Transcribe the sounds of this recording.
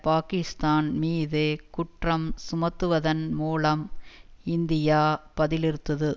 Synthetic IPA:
paːkɪst̪aːnmiːðeːkʊʈrɐmsʊmɐt̪ːɯʋɐðɐnmuːlɐmɪnd̪ɪjaːpɐðɪlɪɾɯt̪ːɐðɯ

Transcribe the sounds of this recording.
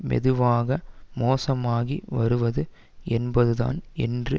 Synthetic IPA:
mɛ̰ðɯʋaːɣɐmoːsɐmaːɣiʋɐɾɯʋɐðɯ | ɛnbɐðɯða̰ːnɛndrɯ

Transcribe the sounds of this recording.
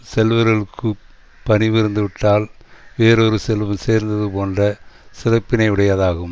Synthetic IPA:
sɛlʋɐɾɣɐɭɯkːɯ | pɐnɪʋɪɾɯnd̪ɯʋɪʈːaːl | ʋeːɾɔɾɯsɛlʋɐseːɾnd̪ɐðɯpoːndrɐsɪɾɐpːɪnɐɪʋɪɽɐjaðaːɣɯm

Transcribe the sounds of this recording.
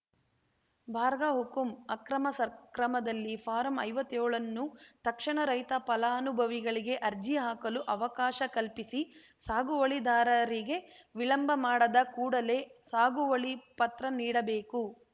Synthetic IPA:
bʱaːɾɡaɦukumɐkɾɐmɐsɐkɾɐmɐd̪ɐlːipʰaːɾɐmɐ̰jʋɐt̪ːɛɔːɭɐnːut̪ɐkʂɐɳɐɾɐjt̪ɐpɐlaːɐnubʱɐʋiɡɐɭiɡe̞ʔɐɾd͡ʒijaːkɐluʔɐʋɐkaːʃɐkɐlpisi | saːɡuʋɐɭid̪aːɾɐɾiɡe̞ʋiɭɐmbʱɐmaːɽɐd̪ɐkuːɽɐle̞ːsaːɡuʋɐɭipɐt̪ɾɐniːɽɐbeːku

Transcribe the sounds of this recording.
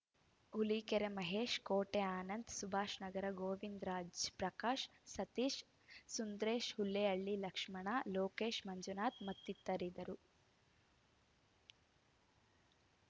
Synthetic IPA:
uliːkeɾemɐɦeːʃkoːʈeaːnɐnd̪subʱaːʃnɐɡɐɾɐɡoːʋind̪ɾaːd͡ʒpɾɐkaːʃsɐt̪iːʃ | sund̪ɾeːʃhulːeɐɭːilɐkʂmɐɳaːloːkeːʃmɐɲd͡ʒunaːt̪mɐt̪ːit̪ːɐɾid̪ɐɾu

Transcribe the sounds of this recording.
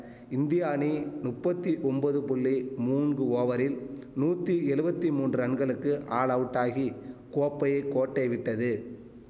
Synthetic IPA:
ɪnd̪ɪjaːninʊpːɐt̪ːiʔɔmbɐðɯpʊɭːimuːnɡɯoːʋɐɾɪlnuːt̪ːiɛɻɯbɐt̪ːimuːndrɐɳɡɐɭɯkːɯʔaːɭɐʋɯʈːaːɣikoːpːɐjɐɪkːoːʈːɐɪʋɪʈːɐðɯ

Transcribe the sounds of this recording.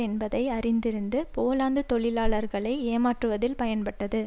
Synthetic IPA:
ɛnbɐðɐɪɐɾɪnd̪ɪɾɯnd̪ɯpoːlaːnd̪ɯt̪ɔɭɪlaːɭɐɾɣɐɭɐɪeːmaːʈrɯʋɐðɪlpɐjɐnpɐʈːɐðɯ

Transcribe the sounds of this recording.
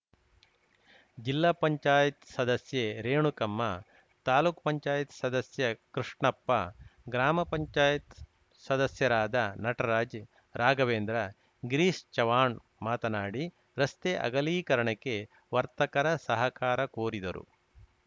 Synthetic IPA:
d͡ʒilːaːpɐɲt͡ʃaːjɐt̪sɐd̪ɐsjeɾeːɳukɐmːɐ | t̪aːluːkpɐɲt͡ʃaːjɐt̪sɐd̪ɐsjɐkɾiʂɳɐpːɐɡɾaːmɐpɐɲt͡ʃaːjɐt̪ | sɐd̪ɐsjɐɾaːd̪ɐnɐʈɐɾaːd͡ʒ | ɾaːɡɐʋeːnd̪ɾɐ | ɡɾiːst͡ʃɐʋaːɳ | maːt̪ɐnaːɽi | ɾɐst̪eʔɐ̰ɡɐliːkɐɾɐɳɐkːe | ʋɐɾt̪ɐkɐɾɐsɐɦɐkaːɾɐkoːɾid̪ɐɾʔṵ

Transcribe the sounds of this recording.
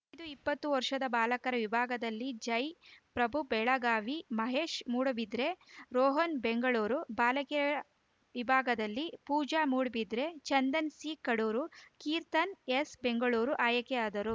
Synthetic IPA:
ɐjd̪uipːɐt̪ːuʋɐɾʂɐd̪ɐbaːlɐkɐɾɐʋibʱaːɡɐd̪ɐlːid͡ʒɐjpɾɐbʱubɛɭɐɡaːʋimɐɦeːʂmuːɽɐbid̪ɾe̞ɾɔːɦɐnbeŋɡɐɭuːɾubaːlɐkiɐɐ | ʋibʱaːɡɐd̪ɐlːipuːd͡ʒaːmuːɽbid̪ɾe̞t͡ʃɐnd̪ɐnsiːkɐɽuːɾukiːɾt̪ɐnesbeŋɡɐɭuːɾuʔaːjɐkɛaːd̪ɐɾu

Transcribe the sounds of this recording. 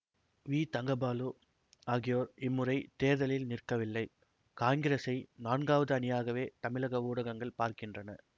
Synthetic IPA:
ʋiːt̪ɐŋɡɐbaːlu | aːɣɪjoːɾɪmːɯrɐɪt̪eːɾðɐlɪlnɪrkɐʋɪlːɐɪ | kaːŋɡɪɾɐsɐɪnaːnɡaːʋɐðɯɐnɪjaːɣɐʋeːt̪ɐmɪlɐɣɐʋuːɽɐɣɐŋɡɐɭpaːɾkɪndrɐnɐ̰

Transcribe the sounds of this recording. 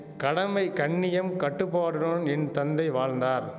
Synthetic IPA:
kɐɽɐmɐɪkɐɳːɪjɐmkɐʈːɯpːaːɽɯɾoːnɛnt̪ɐnd̪ɐɪʋaːɻnd̪aːɾ

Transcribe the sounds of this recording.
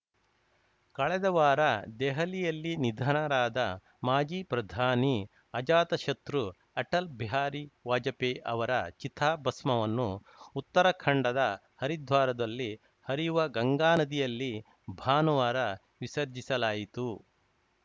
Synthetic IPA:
kɐɭɛd̪ɐʋaːɾɐd̪ɛɦɐlijɐlːinid̪ʱɐɳɐɾaːd̪ɐ | maːd͡ʒiːpɾɐd̪ʱaːni | ɐd͡ʒaːt̪ɐʃɐt̪ɾu | ɐʈɐlbʱiɦaːɾiʋaːd͡ʒɐpeʔɐʋɐɾɐt͡ʃit̪ʰaːbɐsmɐʋɐnːuː | t̪ːɐɾɐkʰɐɳɖɐd̪ɐ | hɐɾid̪ʱʋaːɾɐd̪ɐlːi | hɐɾijuʋɐɡɐŋɡaːnɐd̪ijɐlːi | bʱaːnɐʋaːɾɐ | ʋisɐɾd͡ʒisɐlaːjit̪u

